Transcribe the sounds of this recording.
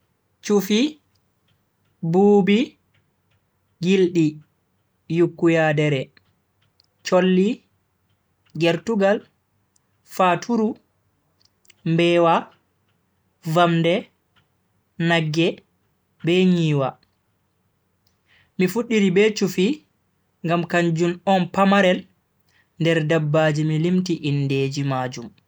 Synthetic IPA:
t͡ʃufi | buːbi | ɡilɗi | jukːujadɛɾɛ | t͡ʃolːi | ɡɛɾtuɡal | fatʰuɾu | mbɛːwa | vamdɛ | naɡːɛ | bɛɲiːwa | mifuɗːiɾibɛt͡ʃufi | ŋɡamkaɲd͡ʒunɔnpamaɾɛl | ndɛɾdabːad͡ʒimilimtiʔinːdeːd͡ʒimaːd͡ʒum

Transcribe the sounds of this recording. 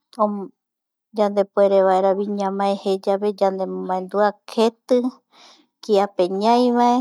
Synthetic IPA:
õ | d͡ʒand̪e̞poeɾeβaeɾaβiɲãmãehed͡ʒaβe̞d͡ʒand̪emomãẽnd̪uakʰe̞t̪ɨ | kiape̞ɲãjʋaʔe

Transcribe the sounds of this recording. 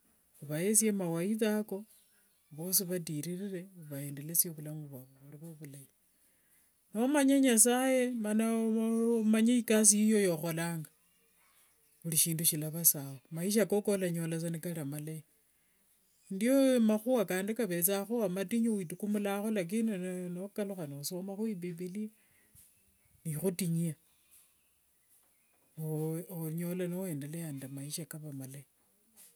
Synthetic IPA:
uβaesiemawaiθako̞ | βo̞ːsiβatiɾirire̞uβaeːndelesioβulamuβwaβoβuliβoβulai | nomaɲaɲasaje̞mana | maɲaikas̬iijo̞jo̞xo̞laːŋɡa | ɣuliʃiːnduʃilaβasawomaiʃ̬akokolaɲolasanikaɾamale | ndiomaxuwakaːndekaβet͡saxuamatiɲiwitukumulaxolak̬innokaluxanosomaxwiβiβili | nixutiɲia | ooɲo̞lanoe̞ːndelejandamaiʃakaβamalai

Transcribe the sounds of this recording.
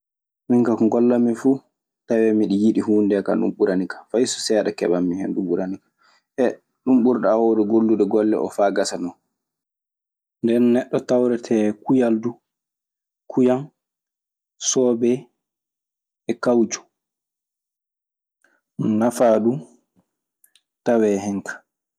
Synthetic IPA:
miŋkakŋɡɔlːamifu | tawɛmiɗijiɗihuːndɛka̰ɗṵmɓuɾanikḁfajsɔ̥sɛːɗakɛ̰ɓamːihɛnɗuɓuɾanikḁ | ʔɛ | ɗumɓuɾɗawɔɗɛɡolːuɗɛɡɔlːɛ̰ʔɔ̰faːɡasanɔn | ndɛnːɛɗːɔtawɾɛtʰɛkujaldu | kʰujan | sɔbɛ | ɛkawd͡ʒu̥ | nafaɗu | tawɛɦɛŋkʰḁ

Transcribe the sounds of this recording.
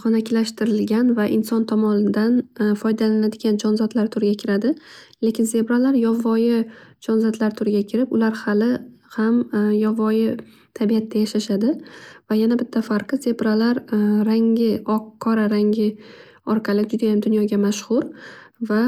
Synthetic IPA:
χɒnakʲlaʃt̪ɪɾɪlɡʲanvaʔɪnsɒnt̪ʰɒmɒnɪd̪anfɒjd̪alanad̪ɪɡʲand͡ʒɒnzɒd̪laɾt̪ʰʊɾɪɡʲakʲʰɪɾad̪ɪ | le̞kʲɪnze̞pɾalaɾjɒvːɒjɪd͡ʒɒnzɒd̪laɾt̪ʰʊɾɪɡʲakʲʰɪɾɪpʊlaɾhalɪhamjɒvɒjɪ | t̪ʰabijat̪ʰːajaʃaʃad̪ɪvajanabɪt̪ʰːafaɾqʰɨze̞bɾalaɾɾaŋɪɒqʰːɒɾaɾaŋɡʲɪ | ɒɾqʰɑlɪd͡ʒʊd̪ajamd̪ʊnjɒɡʲamaʃχʊɾva

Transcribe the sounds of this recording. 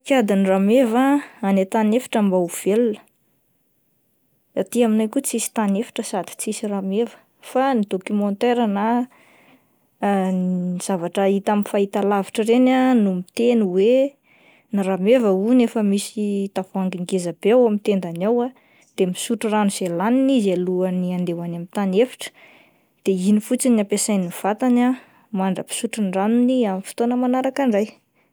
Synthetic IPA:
kad̪iniramevaanet̪anefḁʈ͡ʂəmbauv̥elunə̥ | at̪iaminajkut͡sisi̥t̪anefḁʈ͡ʂəsad̪̥i̥t͡sisiramevə̥ | fanid̪okymɔnt̪eɾana | iz̥avaʈ͡ʂəit̪amifait̪alaviʈ͡ʂəɾenanumit̪enuwe | niɾamevəunefəmisit̪afuaŋɡiŋɡezabeawamit̪end̪anawa | d̪̥emisuʈ͡ʂuranuselaninizaluaniand̪ewanamint̪anefi̥ʈ͡ʂə̥ | d̪̥einifut͡sinapesajniv̥at̪ana | maɳɖ͡ʐəpi̥suʈ͡ʂinranuniamifi̥t̪onəmanaɾakaɳɖ͡ʐaj

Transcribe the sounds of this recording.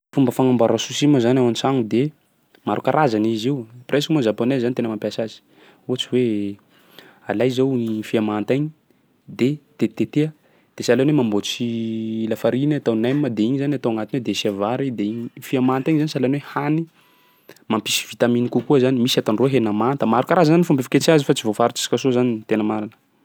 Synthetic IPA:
fumbəfaŋambaɾasusimazanawanisaŋud̪e | maɾukaɾʔazaniziwpreskmozaponezːanit̪enəmampʲasazi̥ | uat͡siwe | alajzawnifiamant̪ajɲi | d̪et̪et̪et̪ea | d̪̥esalenwemambot͡silafaɾinat̪anajmməd̪eiɲizanat̪oaŋat̪inwed̪esiavaɾid̪eiɲfiamant̪ajɲizanisalanwehani | mampisi̥v̥it̪aminikukuəzanimisat̪anroɦenamant̪əmaɾukaɾazanifumbefi̥ket͡ʃiazifat͡sivofaɾut͡si̥si̥kasozanit̪enəmaɾanə̥

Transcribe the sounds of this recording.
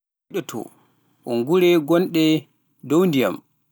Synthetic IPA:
ɗɔtʰɔ̰ | ʔɔŋɡuɾɛɡɔnɗɛ | downdija̰m

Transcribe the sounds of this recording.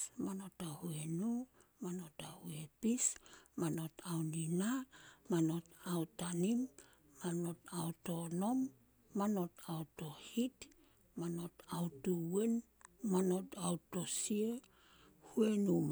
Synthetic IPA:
mano̞tahue̞numano̞tahuepismano̞tawninamano̞tawtanimː | ano̞tauto̞no̞mː | ano̞tawto̞hit | mano̞tawtuwe̞n | mano̞tawto̞sie | hue̞num

